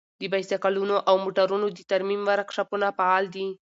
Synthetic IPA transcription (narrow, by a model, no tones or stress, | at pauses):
d̪əbajst̪akalunoʔawmoʈaɾunod̪ət̪aɾmimwaɾkʂapunapaɑld̪i